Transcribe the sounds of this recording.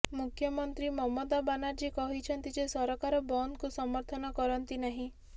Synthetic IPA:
mukʰjɔmɔnt̪ɾimɔmɔd̪abanaɾd͡ʒikɔɦit͡ʃʰɔnt̪id͡ʒesɔɾɔkaɾɔbɔnd̪kusɔmɔɾt̪ʰɔnɔkɔɾɔnt̪inaɦĩ

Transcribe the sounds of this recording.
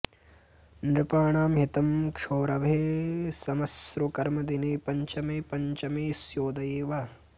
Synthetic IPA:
nɾɪpaːɳaːmɦit̪ɐmkʂoːɾɐʋʱeːsɐmɐsɾukɐɾmɐd̪ineːpɐɲt͡ʃɐmeːpɐɲt͡ʃɐmeːsjoːd̪ɐjeːʋɐ

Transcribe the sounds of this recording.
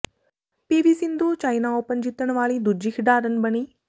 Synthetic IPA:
peːʋisind̪ʱot͡ʃaːjnaoːpənd͡ʒit̪ːəɽ̃ʋaːɭiːd̪ud͡ʒikʰɖaːɾənbəniː

